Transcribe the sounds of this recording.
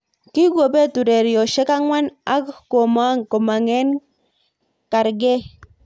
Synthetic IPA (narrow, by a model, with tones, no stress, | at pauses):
ki˦ɡwo˨be˦tu˨ɾɛ˨ɾjɔ˨ʃe˦ka˦ŋwa˦na˦kːo˨ma˦ŋko˨ma˨ŋɛ˦n | ka˨ɾɡɛ˦